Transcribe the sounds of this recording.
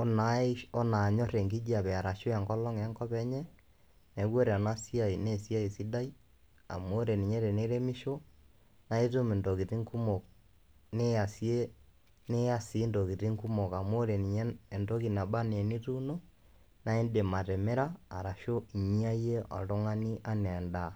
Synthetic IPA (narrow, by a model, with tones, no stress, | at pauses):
o˦na˨˦ɔ˦na˨ɲɔ˦re˨ŋɡi˦d͡ʒi˦a˨pɛ˨a˨ɾa˨ʃo˦a˨ŋkɔ˦lɔ˦ŋa˦ŋkɔ˦pɛ˦ɲɛ˦ | nɛ˨˦ko˦ɾa˨na˦si˦a˨i˨ne˦si˦a˦i˨si˦da˦i˦ | a̰˨mo˦ɾe˨ni˨ɲɛ˦ɾe˨ne˦ɾe˦mi˦ʃo˦ | na˦e˦tu˦me˨ndo˨ki˨ti˦ŋku˦mo˨k̚ | ne˦a˨si˦e˦ | ne˦a˦si˨˦ndo˨ki˨ti˦ŋku˦mo˨ka˨mo˦ɾe˨ni˨ɲɛ˦ɛ˨ndo˦ki˨na˨ba˦ne˨ni˦tu˦no˦ | na˦e˦nde˨ma˨tɛ˨me˦ɾaː˦˨ɾa˨ʃo˦i˨ɲi˦a˦je˦ʔɔ̰˨lto˦ŋa˦ni˦ʔa˦nɛ˨nda˨